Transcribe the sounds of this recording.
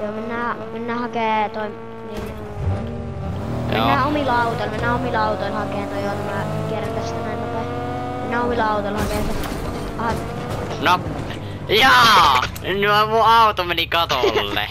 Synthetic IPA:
joːmenːæːmenːæːhɑkeːt̪oi | niːn | mḛnːæːomilɑut̪oilmenːæːomilɑut̪oilhɑkeːnt̪ojjot̪æmæˑkierːænt̪æst̪ænæˑimot̪ɑ | menːæːomilɑˑut̪oilhɑkeːse | ɑ | no | jɑː | noemuɑut̪omenikɑt̪olːḛ

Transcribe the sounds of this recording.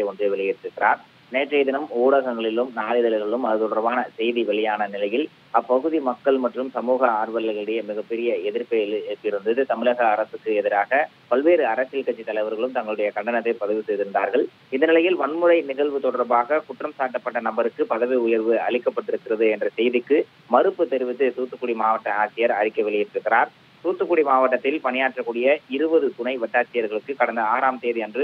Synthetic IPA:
ɐɪɔndreʋɛɭɪjɪɾʈ̪ːɪɾɯkːɪɾaːɾ | neːʈrɐːðɪnɐmoːɽɐɣɐŋɡɐɭɪlɯmnaːlɪðɐlɪɣɐɭɯmɐðɯt̪ɔɽɐɾbaːnɐsɛjðiʋɐɭɪjaːnɐnɪlɐjɪl | ɐpːɐɣɯðimɐkːɐɭmɐʈrɯmsɐmuːɣɐaːɾʋɐlɪɣɐɭɯɽɐjɐmɪɣɐpːɛɾɪjɐɛðɪɾpɐpːɪɾɯnd̪ɯðɯt̪ɐmɪlɐɣɐːɾɐsɯkːɯɛðɪɾaːɣɐ | pɐlʋeːɾɯɐɾɐsɪlkɐt͡ʃːit̪ːɐlɐɪʋɐɾɣɐɭɯmt̪ɐŋɡɐɭɯɽɐjɐkɐɳɖɐnɐt̪ːɐɪpɐðɐʋɯsɛjðɪɾɯnd̪aːɾɣɐɭ | ɪnd̪ɐnɪlɐjɪlʋɐɳmɯrɐɪnɪɣɐɭʋɯt̪ɔɽɐɾbaːɣɐkʊʈrɐmsaːʈːɐpːɐʈːɐnɐmbɐɾɯkːɯpɐðɐʋiʊjɐɾʋɯɐɭɪkːɐpːɐʈːɪɾɯkːɪrɐðɯɛndrɐsɛjðɪkːɯ | mɐɾɯpːɯt̪ɛɾɯʋɪt̪ːɯsuːt̪ːɯkːʊɽimaːʋɐʈːɐaːt͡ʃːɪjɐɾɐɾɪkːɐʋɪɭɪjɪpːɪɾɯkːɪɾaːɾ | suːt̪ːɯkːʊɽimaːʋɐʈːɐt̪ːɪlpɐnɪjaːʈrɐkːuːɽɪjɐɪɾɯbɐðɯk̪ʊɳɐɪʋɐʈːaːt͡ʃːɪjɐɾɣɐɭɯkːɯkːɐɽɐnd̪ɐaːɾaːmt̪eːðiɛndrɯ

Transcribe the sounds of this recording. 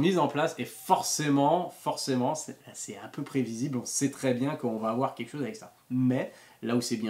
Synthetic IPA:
mizɑ̃plasefɔʁsemɑ̃fɔʁsemɑ̃sɛsɛãpøpχeviziblɔ̃sɛt̪χɛbjɛ̃kəɔ̃vaːvwaʁkʲɛlkə̥ʃozavɛksa | mɛ | lausɛbjɛ̃

